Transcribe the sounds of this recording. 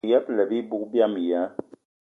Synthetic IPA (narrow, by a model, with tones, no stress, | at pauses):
jɛ˦plɛ˨bi˦bu˦k̚bja˦˨m˨ja˨˦